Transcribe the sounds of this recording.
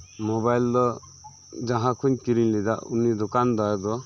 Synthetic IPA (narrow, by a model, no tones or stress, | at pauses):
mɔbajld̪ɔ | d͡ʒãɦãkʰuɲkiɾiɲlid̪aʔṵnid̪ɔkand̪ɔjd̪ɔ